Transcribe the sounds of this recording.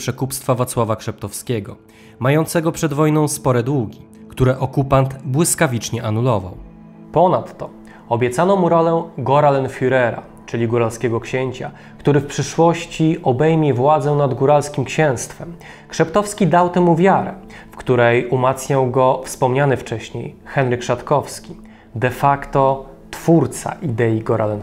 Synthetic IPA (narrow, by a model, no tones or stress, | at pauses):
pʂɛkupst̪favat̪swavakʂɛp̚t̪ɔfskʲɛɡɔ | majɔnt̪sɛɡɔpʂɛd̪vɔjnɔ̃w̃spɔɾɛd̪wuɡʲi | kt̪uɾɛʔɔkupant̪bwɘskavʲit͡ʂɲɛʔanulɔva̰w | pɔnat̪ːɔ | ɔbʲjɛt̪sanɔmuɾɔlɛɡɔɾalɛnfʲyɾɛɾa̰ | t͡ʂɘlʲiɡuɾalskʲɛɡɔkɕɛɲt͡ɕa̰ | kt̪uɾɘfpʂɘʂwɔɕt͡ɕiɔbɛjmʲjɛvwad̪zɛw̃nad̪ɡuɾalskʲimkɕɛ̃w̃st̪fɛm | kʂɛpt̪ɔfskʲid̪awt̪ɛmuvʲjaɾɛ̰ | fkt̪uɾɛjumat̪sɲawɡɔfspɔmɲanɘft͡ʂɛɕɲḛjxɛnɾɘkʂat̪kɔfskʲi | d̪ɛfakt̪ɔ | t̪fuɾt̪sa̰ʔid̪ɛjiɡɔɾʔalɛn